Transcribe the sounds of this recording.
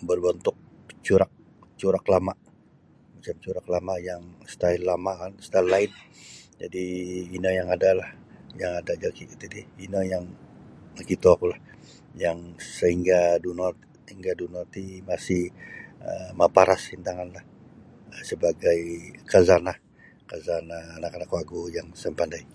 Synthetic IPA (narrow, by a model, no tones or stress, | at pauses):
bərbənt̪ʊk̚ | t͡ʃuɾak̚ | t͡ʃuɾaklamaʔ | mat͡ʃamt͡ʃuɾaklamajaŋst̪aɪlːamanst̪alːaɪnd͡ʒadiːnəjaŋadalah | jaŋadad͡ʒakit̪idiinəjaŋakit̪uakulah | jaŋsəɦiŋɡadunɔt̪ | hiŋɡadunot̪imasɪhəmapaɾʔashint̪aŋanlah | səbaɡajkazanah | kazanaːnakanakwaɡujaŋsəmpandaj